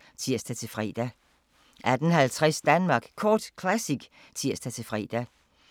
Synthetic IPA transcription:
sʰiɐ̰sd̥æt͡sʰe̝lfʁḭːd̥æ | ʔæd̥ən̩ɦælt͡sʰʁɛsd̥ænmɑ̈ɡ̥kʰɒːd̥kʰlæsiɡ̥ | t͡sʰiɐ̰sd̥æt͡sʰe̝fʁḭːd̥æ

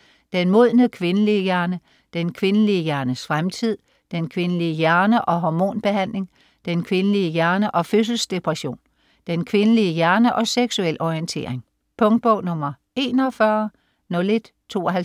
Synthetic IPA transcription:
d̥enmo̝ð̞̰ˠnəkʰʋe̝nəliəjæɐnə | d̥enkʰʋe̝nəliəjæɐnəsfʁamt͡sʰið̞̰ˠ | d̥enkʰʋe̝nəliəjæɐnəʔɒ̽ɦɒmo̝̰ːnb̥e̝ɦæn̰le̝ŋ | d̥enkʰʋe̝nəliəjæɐnəʔɒ̽føs̬l̩sd̥e̝pʰʁaɕo̝̰ːn | d̥enkʰʋe̝nəliəjæɐnəʔɒ̽seɡ̥suel̰ʔɒient͡sʰe̝̰ːɐ̰eŋ | pʰɔ̽ŋd̥̚b̥ɔʊ̰nɔ̽mɐ | e̝̰ːnɒfɶɐ | nɔ̽le̝d̥ | t͡sʰo̝̰ːɒɦæ

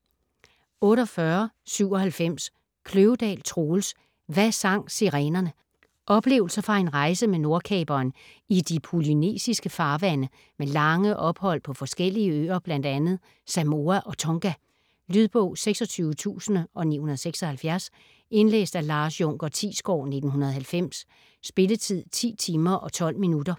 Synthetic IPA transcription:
ɔ̽ːɾɒ̽fɶɐ | syʊ̰ɒ̽hælfem̰s | kʰløʊəd̥ɛ̰ːlt͡sʰʁo̝ːls | ʋæsɑ̈ŋ̰siʁɛːnɐnə | ʔɒ̽b̥le̝̰ːʊl̩sɐfɑ̈e̝nʁɑ̈ɪsəmeno̝ɐkʰɛ̰ːb̥ɐːn | id̥ipʰuline̝̰ːsisɡ̥əfɑ̈ːʋænə | melɑ̈ŋəʔɒ̽b̥hɒ̽l̰pʰɒ̽fɒ̽sɡ̥el̰iəøːɐb̥læn̰d̥ænð̞̩ˠ | sæmo̝ːæʔɒ̽t͡sʰɔŋɡ̥æ | lyðˠb̥ɔʊ̰seɡ̥sɒ̽t͡sʰyːʊət͡sʰṵːsnəʔɒ̽nḭːhunɐð̞ˠseɡ̥sɒ̽hælfjæɐs | e̝nlḛːsd̥ælɑ̈ːsjɔŋ̰ɡ̥ɐt͡sʰḭːsɡ̥ɒ̰ːne̝d̥n̩ɦunɐð̞̩ˠhælfem̰sː | b̥e̝lət͡sʰið̞̰ˠt͡sʰḭːt͡sʰiːmɐʔɒ̽t͡sʰɒ̽l̰minud̥ɐ

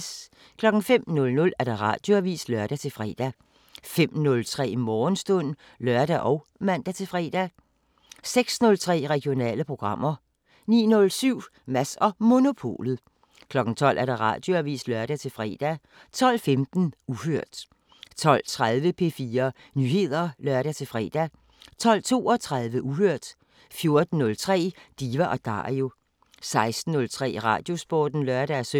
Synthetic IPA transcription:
s | kʰlɒ̽ɡ̥ŋ̩fem̰nɔ̽lnɔ̽læɐd̥aʁɑ̰̈d̥jo̝æʋḭːslɶɐd̥æt͡sʰe̝lfʁɛ̰ːd̥æ | fem̰nɔ̽lt͡sʰʁɛ̰ːmɒːnsd̥ɔ̽n̰ | lœɐd̥æʔɒ̽ʊ | mæn̰d̥æt͡sʰe̝fʁɛ̰ːd̥æ | seɡ̥snɔ̽lt͡sʰʁɛ̰ːʁɛɡ̥jo̝nɛ̰ːləpʰʁo̝ɡ̥ʁɑ̈m̰ɐ | nḭːnɔ̽lsyʊ̰mæsɒ̽mo̝no̝pʰo̝̰ːlð̩ˠ | kʰlɒ̽ɡ̥n̩t͡sʰɒ̽l̰ʔæɐd̥ɑ̈ʁɑ̰̈ːd̥jo̝æʋḭːsd̥lɶɐɾ̥æt͡sʰe̝lfʁɛ̰ːd̥æ | t͡sʰɒ̽l̰femd̥n̩uɦøɐ̰d̥ | t͡sʰɒ̽l̰t͡sʰʁaðˠʋəpʰe̝fiːɐ | nyːhe̝ð̞̰ˠɐlɶɐɾ̥æt͡sʰe̝fʁɛ̰ːd̥æ | t͡sʰɒ̽l̰t͡sʰo̝̰ːɒ̽t͡sʰʁaðˠʋəʔuhøɐ̰d̥ | fjo̝ɐd̥n̩nɔ̽lt͡sʰʁɛ̰ːd̥iʋæʔɒ̽d̥ɑ̰̈io̝ | sɑ̈ɪsd̥n̩ːɔ̽lt͡sʰʁɛ̰ːʁɑ̰̈ːd̥jo̝sb̥ɔ̰ːd̥n̩lɶɐɾ̥æsø

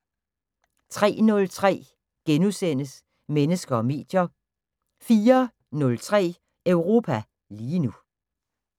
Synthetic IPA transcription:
t͡sʰʁɛ̰ːnɔ̽lt͡sʰʁɛ̰ː | ɡ̥enusen̰əs | menəsɡ̥ɐɒ̽me̝̰ːd̥jɐ | fiːɐ | nɔ̽lt͡sʰʁɛ̰ː | œʊʁo̝ːpʰæ | liːnu

